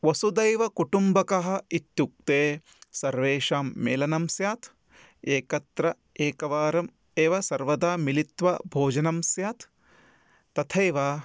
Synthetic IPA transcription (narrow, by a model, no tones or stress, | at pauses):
ʋɐsud̪ɐjʋɐkuʈumbɐkɐɦɐ̆it̪juk̚t̪eː | sɐɾʋeːʂaːmːeːlɐnɐmsjaːt̪ʰ | eːkɐt̪ɾɐ | eːkɐʋaːɾɐm | eːʋɐsɐɾʋɐd̪aːmilit̪ʋɐbʱoːd͡ʒɐnɐmsjaːt̪ː | ɐt̪ʰeːʋa